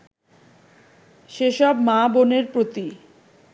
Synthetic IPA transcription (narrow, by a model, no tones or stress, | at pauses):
ʃeʃɔbmaboneɾpɾot̪i